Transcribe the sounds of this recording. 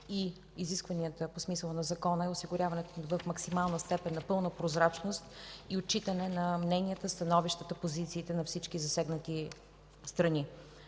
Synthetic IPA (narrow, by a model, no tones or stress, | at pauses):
i | iziskvəniət̪əposmisəlˠənɐzɐkɔnəɛosiɡʊɾʲavɐnɛt̪vəfmɐksimalˠnəst̪ɛpɛnːɐpɤlˠnəpɾozɾat͡ʃnost̪iot͡ʃit̪ənɛnɐmnɛniət̪əst̪ɐnɔviʃt̪ət̪əpozit̪siːt̪ɛnɐfsit͡ʃkizɐsɛɡnət̪i | st̪ɾɐni